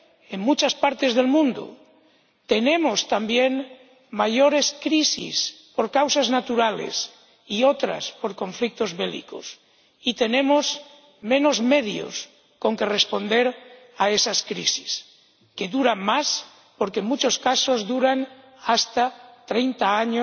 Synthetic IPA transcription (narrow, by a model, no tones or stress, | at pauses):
eŋmut͡ʃaspaɾt̪e̞zðe̞lmũnd̪o̰ | t̪e̞nẽ̞most̪ambje̞n | maʝoɾe̞skɾisḭspoɾkawsaznat̪uɾalḛs | iot̪ɾa̰spo̞ɾkõ̞ɱflik̚t̪ozβelḭkos | it̪e̞nẽ̞moz | mẽ̞no̞zme̞ðjo̰s | ko̞ŋke̞respo̞nd̪e̞ɾ | aesaskɾḭsi̥s | ke̞ðuɾamas | po̞ɾkeŋmut͡ʃo̞skaso̞zðuɾan | ast̪at̪ɾejnt̪aaɲo